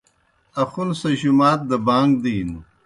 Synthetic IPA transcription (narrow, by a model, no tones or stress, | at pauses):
ɐxunsɐɕumaːt̪̚d̪ɐbaːŋɡ̚d̪iːn